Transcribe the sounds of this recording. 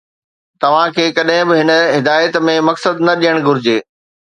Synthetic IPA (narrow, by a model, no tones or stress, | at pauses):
t̪ɐʋ̤ãkʰeːkɐɗɦɪ̃bɪɦɪnəɦɪd̪aːjət̪mẽmɐksəd̪nɐɗijəɽ̃ɡʱʊɾɪd͡ʑeː